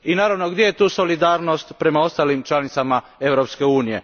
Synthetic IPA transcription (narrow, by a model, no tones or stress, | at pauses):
inaːɾaʋnoɡd̪je̞jet̪uːso̞lid̪aːɾno̞st̪pɾe̞mao̞st̪aːlimt͡ʃlanit̪sama | e̞ʋɾopske̞uːnije̞̰